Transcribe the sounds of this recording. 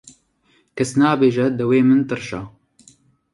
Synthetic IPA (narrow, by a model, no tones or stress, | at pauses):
kʰɛsnaːbeːʒɛd̪ɨweːmɨnt̪ɨɾʃa̰ː